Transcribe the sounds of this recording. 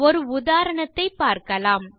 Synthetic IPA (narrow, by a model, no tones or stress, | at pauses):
ɔɾɯʊðaːɾɐɳɐt̪ːɐɪpːaːɾkɐlaːm